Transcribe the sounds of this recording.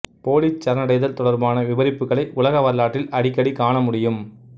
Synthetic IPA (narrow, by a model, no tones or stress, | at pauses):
poːlit͡ʃːɐɾɐnɐɽɐɪðɐlt̪ɔɽɐɾbaːnɐʋɪʋɐɾɪpːɯɣɐɭɐɪʔʊlɐɣɐʋɐɾlaːʈːɪlʔɐɽɪkːɐɽikaːɳɐmʊɽɪjɯm